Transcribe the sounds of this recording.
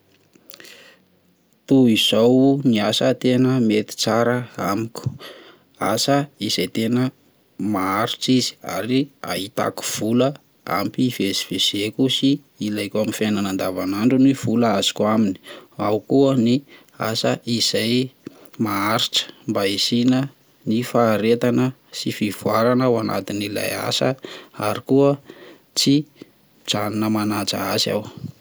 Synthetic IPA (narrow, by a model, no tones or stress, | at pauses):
t̪uiz̥owniasət̪enəmet̪i̥t͡saɾəamikʲu̥ | asəiz̥ajt̪enə | maaɾiʈ͡ʂizi̥a̰ɾia̰ɦit̪a̰ku̥v̥ulə | a̰mpivesi̥v̥ez̥ekusiː | lajkaminfananand̪avanaɳɖ͡ʐuniv̥uləaz̥i̥kʲwamini̥awkuəni | a̰səiz̥ajmaaɾiʈ͡ʂə̥mbaisinə | nifaːɾet̪anə | sifivwaɾanawana̰t̪inila̰ja̰səaɾikuə | t͡si | d͡zaninəmanat͡sa̰asa̰w